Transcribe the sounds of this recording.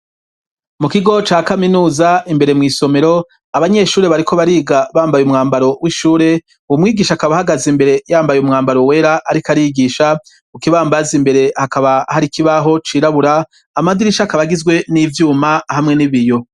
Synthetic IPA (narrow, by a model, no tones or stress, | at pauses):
mukiɡo̞t͡ʃaːkaminuːzaimbe̞ɾe̞mŋiːso̞me̞ɾo̞ | aβaɲe̞ʃuːɾe̞βaɾikʰo̞βaɾiːɡaβaːmbajumŋaːmbaɾo̞wʔiʃuːɾe̞ | uwumŋiːɡiːʃakaβahaɡazimbe̞ɾe̞jaːmbajumŋaːmbaɾo̞we̞ːɾaʔːɾikaɾiɡiːʃa | ukiβaːmbazimbe̞ɾe̞hakaβahaɾikiβaɦo̞t͡ʃiːɾaβuɾaː | mad̪iɾiʃakaβaɡizɡwe̞nivjuːmahamŋe̞niβijo̞